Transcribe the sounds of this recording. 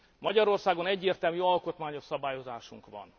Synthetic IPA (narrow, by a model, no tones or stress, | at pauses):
mɒɟɒɾo̞rsaːɡo̞nɛɟːeːrt̪ɛlmyɒlko̞t̪maːɲo̞ʃsɒbaːjo̞zaːʃuŋkʋɒ̰n